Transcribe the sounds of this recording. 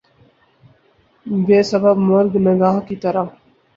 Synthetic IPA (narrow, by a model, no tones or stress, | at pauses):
beːsɐbəbmɐɾɡnəɡaːɦkit̪ɐɾə